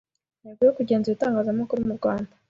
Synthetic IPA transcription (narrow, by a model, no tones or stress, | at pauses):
neɡijokuɟe̞ːnzuitaːŋɡaːzamukuɾumuɾɡwaːnda